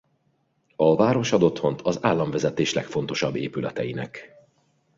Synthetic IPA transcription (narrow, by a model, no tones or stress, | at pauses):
ɒvaːɾo̞ʃɒd̪o̞t̪ho̞nt̪ʰɒzaːlːɒɱvɛzɛt̪eːʃlɛkfo̞nt̪o̞ʃɒbːḛːpylɛt̪ɛjinɛk